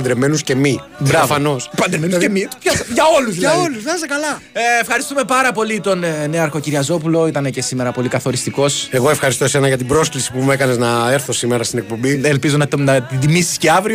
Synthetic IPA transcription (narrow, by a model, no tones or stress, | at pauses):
ɐnd̪ɾemenusce̞mibɾɐvfɐno̞spɐnd̪ɾemenuemipɐʝɐo̞luzɐolusɐɐsekɐlɐ | eːfxɐɾist̪ume̞pɐɾɐpo̞lit̪o̞nneɐɾxo̞ciɾiɐzo̞pulo̞it̪ɐnece̞sime̞ɾɐpo̞likɐθo̞ɾist̪iko̞se̞ɣo̞e̞fxɐɾist̪o̞senɐʝɐt̪ibɾo̞sklisi̥pume̞kɐne̞znɐeɾθo̞simeɾɐst̪inek̚po̞mbielpizo̞nɐnɐt̪id̪imisi̥sceɐvɾio